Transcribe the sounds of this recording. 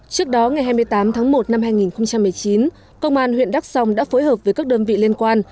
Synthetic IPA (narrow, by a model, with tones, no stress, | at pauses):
t͡ɕɨ˦˥ək̚ɗɔ˨˦ŋa˨˩jɦaː˧jmɨ˧ə˧jt̪aː˨˦mt̪ʰaː˨˦ŋmo˨˩t̚na˧mɦaː˧jŋi˨˩nxə˧wŋ͡mt͡ɕa˧mːɨ˨˩əjt͡ɕi˨˦n | kə˧wŋ͡mʔaː˧nhwḭ˧˨ənɗa˦˥k̚sa˧wŋ͡mɗa̰ː˧˥foː˨˦jɦəː˨˩p̚vəː˨˦jkaː˦˥k̚ɗəː˧nvḭ˧˨li˧ənkwaː˧n